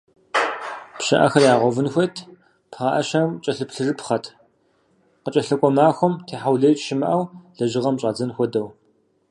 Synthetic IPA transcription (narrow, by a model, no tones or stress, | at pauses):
pɕɐ̰ʔɐ̰xɐrjaːʁʷɔvɨnxʷɔtʰ | pʰχɐʔɐʃɐmt͡ʃʼɐɬɨpɬɨrɨpχɐtʰ | qət͡ʃʼɐɬɐkʷʼɔmaːxʷɔmtʰeːħawɮɐjt͡ʃʼʃɪmɨʔɐwɮ̥ɐʒɪʁɐmɕʼaːd͡zɐnxʷɔdɐw